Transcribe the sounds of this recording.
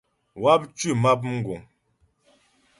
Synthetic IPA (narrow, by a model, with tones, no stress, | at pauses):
wa˦p̚t͡ʃʉ˦˨ma˦p̬̚m̩˦ɡu˨ŋ